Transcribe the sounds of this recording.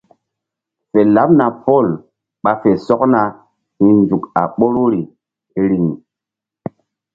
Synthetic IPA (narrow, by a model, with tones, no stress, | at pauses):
fe˨la˨˦p̚na˨pʰo˦˨l | ɓa˨fe˨sɔ˦kna˨ | hi˦nd͡ʒu˨ka̰˨ɓo˦ɾo˦ɾi˨ | e˦ɾi˨ŋ˨